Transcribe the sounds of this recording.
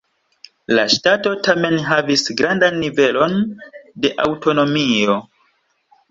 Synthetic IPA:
laʃtato̞tame̞nɦavisɡɾandanːive̞lo̞nde̞ʔa̰wto̞no̞mio̞

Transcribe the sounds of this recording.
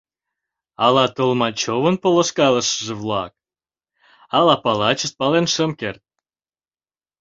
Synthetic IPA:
ɑlɑt̪əlmɑt͡ɕoβənpolə̆ʃkɑlə̆ʃəʒĕvlɑ̰k̚ | ɑlɑpɑlɑt͡ɕəst̪̚pɑlenʃəmkert̪̚

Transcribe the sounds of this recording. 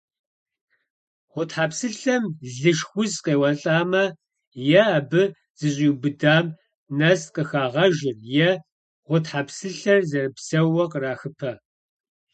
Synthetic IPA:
ʁʷʊtħaːpsɨɬɐmɮɨʃxʷʊzqeːwɐɬʼaːmɐ | jɛːbɨ | z̥ɨɕʼiːbɨdaːm | nɐsqəxaːʁɐʒɪrjɛ | ʁʷʊtħapsɨɬɐrzɐrɨpsɐwɐqəraːxɨpʰɐ

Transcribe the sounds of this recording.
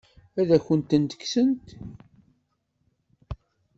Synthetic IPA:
æðæçənt̪ːənt̪ə̥ksənt̪

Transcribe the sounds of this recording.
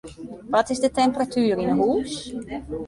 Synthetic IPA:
ʋɔtɪsdətɛmpəratʰyːrinəɦuːs

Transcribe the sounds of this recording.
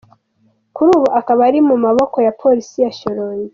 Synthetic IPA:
kuɾuːβuʔakaβaɾimumaβo̞ko̞japʰo̞ɾisijaʃoɾoɲi

